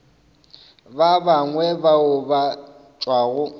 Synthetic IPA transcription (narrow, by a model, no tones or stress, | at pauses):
babaŋwɛbaʊba | t͡ʃʼwaɣʊ